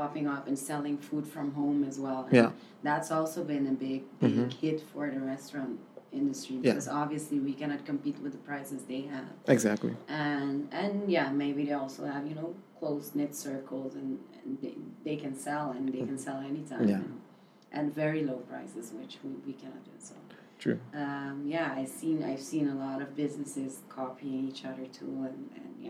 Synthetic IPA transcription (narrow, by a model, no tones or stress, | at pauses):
pʰɑpɪ̃ŋʌfɨ̃nsɛlˠɪ̃ŋfud̥fɹʌ̃mɦõʊ̃mɨzwɛlˠə̰j̃n | ðætsɔlˠsoʊbɨ̃nɨbɪɡ̚bɪɡhɪtfə˞ðɨɹɛstɹɑ̃ntɪ̃ndɨstɹ̥ibkʌzɑbviɨsliwikʰæñɑt̚kʰɨ̃mpit̚wɨðəpʰɹ̥aɪsɨzðeɪɨv̥ɨɡzæk̚tˡlḭʔɨ̃nɨ̃njæmeɪbiðeɪɔlˠsoʊɨvjɨnoʊkʰl̥oʊsnɪtsɜ˞kl̩ˠzɨ̃nɨ̃nðeɪðeɪkɨ̃nsɛlˠɨ̃nðeɪkɨ̃nsɛlˠɛnitʰãɪ̃m̃ɨ̃n | ʔɨ̃tvɛɹiloʊpʰɹ̥a̰ɪsɨzwɪt͡ʃwiwikʰænɑ̰t̚d̥ɨsɛʊ̥ | tʰɹ̥ʉ̰ʌ̃mjæaɪv̥sĩna̰ɪv̥sĩnəlɔɾʌvbɪznɨsɪz̥kʰɑpiɪ̃ŋit͡ʃʌðə˞tʰuɨ̃nɨ̰̃nj